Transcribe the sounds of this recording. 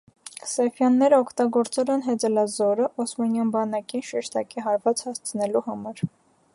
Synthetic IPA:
sɛfjɑnːɛɾəɔkʰt̪ɑɡɔɾt͡sɛlɛnɦɛd͡zɛlɑzɔɾəʔɔsmɑnjɑnbɑnɑkinʃɛʃt̪ɑkiɦɑɾvɑt͡shɑst͡sʰənɛluhɑmɑɾ

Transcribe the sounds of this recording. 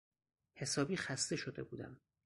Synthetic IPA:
he̞sɒːbiːxæst̪e̞ʃo̞d̪e̞̰buːd̪æ̰m

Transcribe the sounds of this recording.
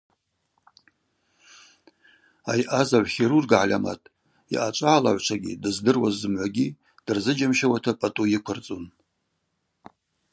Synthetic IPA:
a̰jʔazaʕʷχʲiɾurɡʕalʲama̰tʼ | ḭʔat͡ʃʷʼaʕala̰ʕʷʈ͡ʂʷʰaɡʲḭdɨzdɨrwazːɨmʕʷaɡʲi | d̥ɨrzɨd͡ʒamʃawatʰapʼatʼujɪkʷʰʊrt͡sʼun

